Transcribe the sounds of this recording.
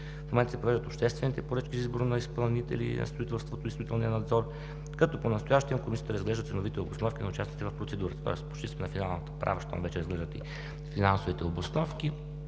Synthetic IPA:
momɛnt̪sɛpɾovɛʒd̪t̪opʃt̪ɛst̪vɛnit̪ɛpoɾət͡ʃkʲizizboɾnɐispɐlˠnit̪ɛ̰lḭnɐ̰st̪ɾoit̪ɛlˠst̪vot̪oisoit̪ɛlˠniənɐd̪zɔɾ | kɐt̪ɔponɐst̪ʊjaʃt̪iəmkomisʲiə̥t̪əɾəzɡlɛʒd̪ət̪sɛnovit̪ɛoblɐsnɔfkʲinɐʊt͡ʃask̪t̪ɛvɐfpɾot̪sɛd̪uɾət̪ə̥t̪ɔ̰ɛspo̥ʃt̪isɛnɐfinalˠnət̪ə̥pɾa̰vəʃt̪a̰mvɛt͡ʃɛɾəzɡlɛʒd̪ət̪ḭ | finansovit̪ɛoblˠɐsnɔfki

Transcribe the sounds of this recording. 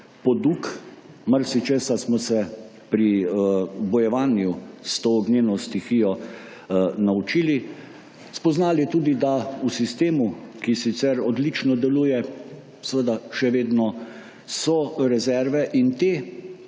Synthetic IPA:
pɔd̪uk | maɾsit͡ʃeːsasmɔsɛ | pɾi | bɔjɛʋaːnjust̪oːɡneːnɔst̪ixijɔ | naut͡ʃiːli | spɔznaːlit̪uːd̪id̪ausist̪eːmukisit̪sɛɾɔd̪lit͡ʃnɔd̪ɛluːjɛ | səʋəd̪aʃɛʋeːd̪nɔ | sɔɾɛzɛɾʋɛʔint̪eː

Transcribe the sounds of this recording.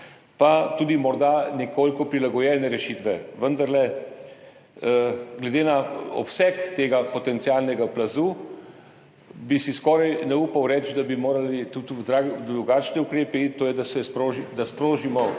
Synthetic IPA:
pat̪uːd̪imɔɾd̪anɛkʰoːlikɔpɾilaɡɔjɛːnɛɾɛʃiːt̪ʋɛʋənd̪aɾlɛ | ɡlɛd̪eːnaɔ̰psɛkt̪eːɡapɔt̪ɛnt̪sialnɛɡaplazuː | bisiskɔːɾajnɛuːpawɾɛt͡ʃd̪abimoːɾalit̪ut̪d̪ɾaɡd̪ɾɾuɡaːt͡ʃniukɾeːpit̪oːjɛd̪asɛspɾoʒid̪aspɾoːʒimɔ

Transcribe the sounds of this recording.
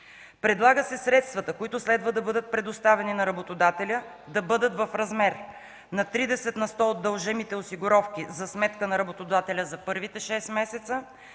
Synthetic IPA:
pɾɛd̪lˠaɡəsɛsɾɛt̪st̪vɐt̪əkoʊit̪ʊslɛd̪vəd̪ɐbɤd̪ət̪̚pɾɛd̪ʊst̪avɛninɐɾɐbot̪od̪at̪ɛlʲə | d̪ɐbɤd̪ət̪vɐfɾɐzmɛɾ | nɐt̪ɾid̪ɛsɛt̪nɐst̪ɔod̪ːɐlˠʒɛmit̪ɛosiɡʊɾɔfkizɐsmɛt̪kənɐɾɐbot̪od̪at̪ɛlʲəzɐpɤɾvit̪ɛʃɛsmɛsɛt̪sə

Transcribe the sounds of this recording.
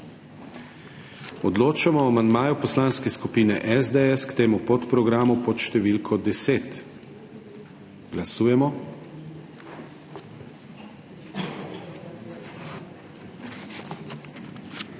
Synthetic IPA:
ɔd̪loːt͡ʃamɔamand̪maːjupɔslaːnskɛskupiːnɛ̰ʔɛzd̪ɛɛskt̪eːmupɔt̪pɾɔɡɾaːmupɔt̪ʃt̪ɛʋiːlkʰɔd̪ɛseːt̪ | ɡ̥lasuːjɛmɔ

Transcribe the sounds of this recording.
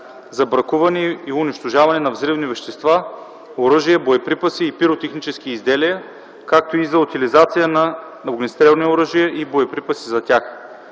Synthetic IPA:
zɐbɾɐkuvɐnɛiʊniʃt̪oʒavɐnɛnɐvzɾivnivɛʃt̪ɛst̪va | oɾɤʒijəboɛpɾipɐsiːpiɾot̪ɛxnit͡ʃɛskiːzd̪ɛliɐ | kak̚t̪oizɐʊt̪ilizat̪sijənɐ | nɐvɡnʲist̪ɾɛlˠnioɾɤʒijəʔiboɛpɾipɐsizɐt̪ʲax

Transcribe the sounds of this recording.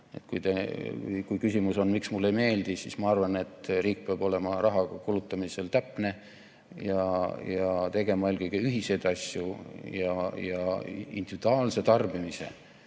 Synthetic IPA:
et̪kujt̪ekṵjkujkysʲimuso̞nmiksmulːe̞jme̞ːld̪̥isismɑɑrvɑne̞t̪ːˑriːk̚peɑb̥ole̞mɑrɑɦɑɡɑkulut̪ːˑɑmise̞lt̪æpne̞ | jɑjɑt̪e̞ɡ̥e̞mɑolkɨjɡ̥eyɦise̞jd̪̥ɑsʲjujɑjɑḭnd̪̥ivid̪uɑːlse̞t̪ɑrbimise̞̰

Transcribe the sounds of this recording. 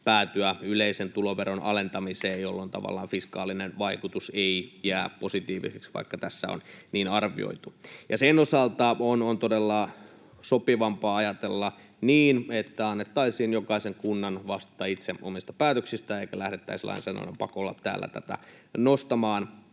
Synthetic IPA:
pæːt̪yæyleisent̪uloʋeronɑ̰lent̪ɑmiseːjolːont̪ɑ̰ʋɑ̰lːˑɑ̰ːnfiskɑ̰ːlinenʋɑikut̪useijæːpposit̪iːʋḭseksʋɑ̰ikːɑt̪æsːæ̰o̰nniːnɑrʋḭo̰it̪ujɑsenːosɑlt̪ɑonont̪odelːɑ | sopiʋɑmpɑːɑjɑt̪elːɑ | niːnet̪ːæɑnːet̪ːɑisiːnjokɑiseŋkunːɑnʋɑst̪ˑːɑit̪seomist̪ɑ̥pæːt̪øksist̪æeikælæhɾet̪ːæ̰islɑ̰insɑno̰nḛmpɑkolːɑtt̪æ̰ːlːæ̰t̪æt̪æ̰ | nost̪ɑmɑːn

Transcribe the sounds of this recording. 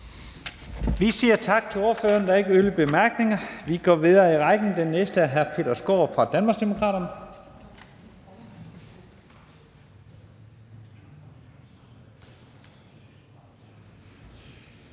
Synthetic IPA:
ʋisiːɐt͡sʰɑ̈ɡ̥̚t͡sʰe̝lo̝ːɐfø̰ːɐnd̥ɑ̈e̝ɡ̥əøləb̥e̝mæɐɡ̥ne̝ŋɐʋiɡ̥ɒ̰ːʋiðˠɐːiʁɑ̈ɪɡ̥n̩d̥enːesd̥əæɦæɐpʰe̝̰ːd̥ɐsɡ̥o̰ːfʁɑ̈d̥ænmɑ̈ɡsd̥emo̝kʰʁɑ̰ːɾ̥ɐnə

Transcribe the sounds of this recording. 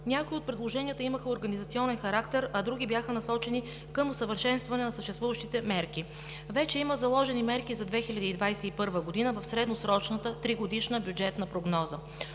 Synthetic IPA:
nʲakoiot̪̚pɾɛd̪lˠoʒɛniət̪əiməxəoɾɡɐnizɐt̪siɔnɛnxɐɾakt̪ɛɾɐd̪ɾuɡʲibjaxənɐsɔt͡ʃɛni | kɤmosəvəɾʃɛnst̪vɐnɛnɐsəʃt̪ɛst̪vuvəʃt̪it̪ɛmɛɾki | vɛt͡ʃɛiməzɐlˠɔʒɛnimɛɾkizɐd̪vɛxilʲɐd̪iːd̪vajsɛipɤɾvəɡod̪inəvɐfsɾɛd̪nosɾɔt͡ʃnət̪ət̪ɾiɡod̪iʃnəbʲjud͡ʒɛt̪nəpɾoɡnɔzə

